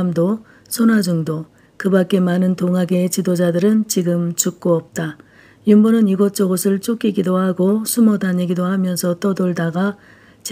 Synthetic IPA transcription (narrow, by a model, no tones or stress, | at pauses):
mdo | sʰʌnwad͡ʑuŋdo | kɯbak͈e̞manɯntoŋɦaɡe̞t͡ɕidod͡ʑadɯɾɯnt͡ɕiɡɯmt͡ɕuk̚k͈oʌp̚t͈a | jumbʌnɯniɡʌt̚t͡ɕ͈ʌɡʌsʰɯɭt͡ɕ͈ok͈ʰiɡidohaɡosʰumʌdaɲiɡidohamjʌnsʰʌt͈ʌdoɭdaɡa | t͡ɕ